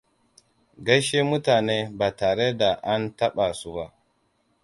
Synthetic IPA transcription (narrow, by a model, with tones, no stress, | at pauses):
ɡɐ˦ʃeː˦mʊ˦taː˨neː˦baː˨taː˨ɽe˦da˨ʔa˦ntɐ˦ɓa˨su˦ba˦ʔ